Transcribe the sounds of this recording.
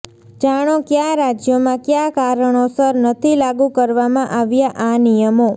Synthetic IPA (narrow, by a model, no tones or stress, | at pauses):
d͡ʒaɽ̃okjaɾad͡ʒjomãkjakaɾəɳ̃osəɾnət̪ʰilaɡũkəɾʋamãʔaʋjaʔanijəmo